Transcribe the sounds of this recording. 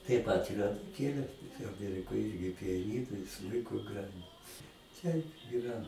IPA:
tɐɪp ˈpɐt ɪr ɐnʊˈkʲeːlʲeː tɐɪ ɐˈmʲiɛrʲɪkoːj ˈɪrʲɡʲɪ pʲɪjɛˈnʲiːnʊ ɪ ˈsmʊɪkʊ ˈɡrɑːjɪn ˈtʲɛɪp iːˈrɐ

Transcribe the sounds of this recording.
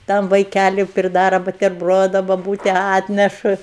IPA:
ˈtɐm ʋɐɪˈkʲælʲʊ pʲrʲɪˈdɑːrɐ bʊtʲɛrˈbroːdʊ bɐˈbuːtʲɛ ˈɑːtʲnʲɛʃʊ

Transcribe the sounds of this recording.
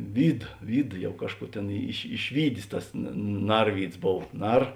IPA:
ˈʋʲiːt ˈʋʲiːt ˈjɛʊ ˈkɑːʃˌkuː ˈtʲeːn ɪʃ ɪʃʲˈʋʲiːdʲeːs ˈtɐs nɐ ˈnɐrʲʋʲiːdzˈboːw ˈnɐr

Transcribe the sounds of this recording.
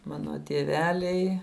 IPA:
ˈmɑːnoː tʲiɛˈʋʲæːlʲɛɪ

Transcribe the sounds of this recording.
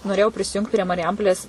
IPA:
noːˈrʲeːjɛʊ pʲrʲɪsʲɪˈjʊŋkt pʲrʲiɛ mɐrʲɪˈjɛmpoːlʲeːs

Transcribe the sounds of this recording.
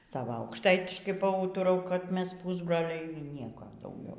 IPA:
ˈsɑːʋɐ ɐʊkʃˈtɐɪtʲɪʃkɐɪ pɐˈuːtʊrɐʊ kɐt ˈmʲɛs ˈpʊzbroːlʲɛɪ iː ˈnʲiɛkoː dɐʊˈɡʲɛʊ

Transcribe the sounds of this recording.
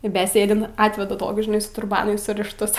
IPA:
ɪ bʲɛˈsʲeːdʲɪnt ˈɑːtʲʋʲɛdɐ ˈtoːkʲʊs ʒʲɪˈnɐɪ sʊ tʊrˈbɑːnʊ sʊrʲɪʃˈtʊs

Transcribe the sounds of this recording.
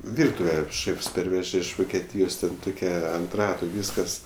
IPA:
ˈʋʲɪrtʊʋʲɛ ˈʃʲeːfs ˈpʲɛrʲʋʲɛʒʲɛ ɪʃ ʋoːkʲɛˈtʲiːjoːs ˈtʲɛn ˈtoːkʲɛ ɐnt ˈrɑːtʊ ˈʋʲiːskɐs

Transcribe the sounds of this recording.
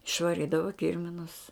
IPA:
ɪʃʋɐˈrʲiːdɐʋɐ ˈkʲɪrʲmʲɪnʊs

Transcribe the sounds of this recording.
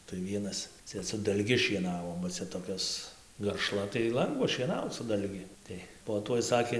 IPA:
tɐɪ ˈʋʲiɛnɐs ˈt͡sʲɛ sʊ dɐlʲˈɡʲɪ ʃʲiɛˈnɑːʋoː bɐ ˈt͡sʲɛ toːˈkʲoːs ɡɐrˈʃlˠɐ tɐɪ ˈlˠɐŋɡʋɐ ʃʲiɛˈnɐʊt͡s sʊ dɐlʲˈɡʲɪ ˈtɐɪ poː ˈtuɔj ˈsɑːkʲeː

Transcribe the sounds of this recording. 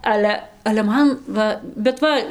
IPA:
ˈɑːlʲɛ ɐlʲɛ ˈmɐn ˈʋɐ bʲɛt ˈʋɐ

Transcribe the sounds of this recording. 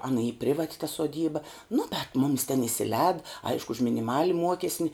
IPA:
ˈɑːnɐ iː ˈpʲrʲɪʋɐtʲ tɐ suɔˈdʲiːbɐ nʊ bʲɛt ˈmʊmʲɪs tʲɛn ɪsʲɪˈlʲɛːt ˈɐɪʃkʊ ʊʃ mʲɪnʲɪˈmɑːlʲɪ ˈmuɔkʲɛsʲnʲɪ

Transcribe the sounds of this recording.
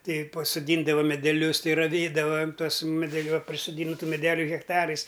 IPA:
ˈtʲɛɪ pɐsoːˈdʲiːndɐʋɐ mʲɛdʲɛˈlʲʊs ˈtʲɛɪ rɐˈʋʲeːdɐʋɐm ˈtuɔs mʲɛdʲɛˈlʲʊ ɐ pʲrʲɪsoːˈdʲiːntʊ mʲɛˈdʲæːlʲʊ ɣʲɛkˈtɑːrɐɪs

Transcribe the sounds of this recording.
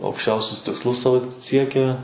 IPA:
ɐʊkʃʲˈt͡ʃʲɛʊsʲʊs tʲɪksˈlˠʊs ˈsɐoː ˈsʲiɛkʲɛ

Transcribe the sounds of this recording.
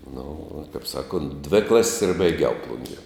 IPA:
nʊ uɔ tɐɪp ˈsɑːˌkoːnt dʲʋʲɪ ˈklˠɐsʲsʲ ɪr bɐɪˈɡʲɛʊ ˈplˠʊŋʲɡʲiɛ

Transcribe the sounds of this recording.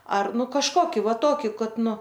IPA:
ˈɐr ˈnʊ kɐʃˈkoːkʲɪ ˈʋɐ ˈtoːkʲɪ ˈkɐt ˈnʊ

